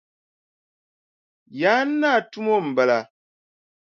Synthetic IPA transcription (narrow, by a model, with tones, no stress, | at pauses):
ja˨˦n̩˦nːa˦˨tu˦mo˦m̩˨bɛ˨la˨